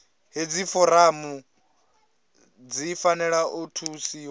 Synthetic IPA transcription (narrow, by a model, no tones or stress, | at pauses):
ɦed͡zifɔɾamu | d͡zifanɛɺaʔutʰusiw